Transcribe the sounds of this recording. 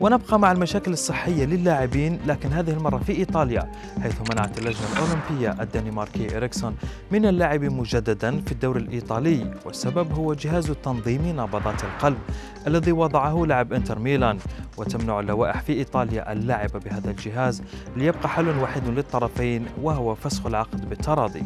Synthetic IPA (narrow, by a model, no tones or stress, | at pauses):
wənəbqɑmaʕalmæʃæːkələsˤːəħːəjːaləlːaʕɪbiːnlækɪnɦæːðɪhəlmɑrˤːɑfiʔit̪ˤɑlja | ħajθmænaʕat̪lːæʒnalʔolɪmpəjːaʔəd̪ːanimɑɾˤkiʔɾɪksʊn | mɪnəlːaʕɪbimʊʒæd̪ːad̪anfid̪ːuwɾəlʔit̪ˤɑləjwəsːababhʊwːad͡ʒɪɦaːzt̪ːɑnðˤiːminɑbɑt̪ˤɑt̪əlqɑlb | ʔælːæðiwɑd̪ˤɑʕahʊlaʕəbʔɪnt̪əɾˤmilanwət̪amnaʕalːawaːʔəħfiʔit̪ˤɑlja̰ʔəlːaʕɪbabəhaːd̪ald͡ʒɪɦaːzlijəb̚qɑħalːʊnwaːħɪd̪lət̪ˤːɑɾˤɑfajnwaɦʊwafæsxʊlʕɑqd̪bət̪ːɑɾˤɑːd̪ˤḭ